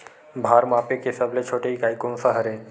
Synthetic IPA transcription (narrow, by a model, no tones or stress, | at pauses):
bʱaːɾmaːpekesɐblet͡ʃʰoːʈeikaːikõːnsaɦəɾɦẽː